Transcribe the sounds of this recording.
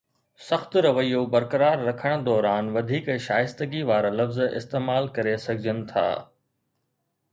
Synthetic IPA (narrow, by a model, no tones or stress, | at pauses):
sɐxt̪ɾɐʋəijobɐɾkəɾaːɾːɐkʰəɽ̃̆d̪ɔːɾaːnʋɐd̪ʱiːkʃaːjɪst̪əɡiʋaːɾalɐfzɪ̰st̪eːmaːlkɐɾesɐɡʱɪd͡ʑʱənɪ̆t̪ʰa̰ː